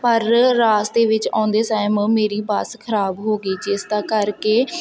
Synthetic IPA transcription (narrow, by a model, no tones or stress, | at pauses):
pəɾːaːsd̪eːʋɪt͡ʃã̰ːnd̪eːsaːɪmmeːɾiːbaːskʰəɾaːbɦoːɡiːd͡ʒeːsd̪ãːkəɾkeː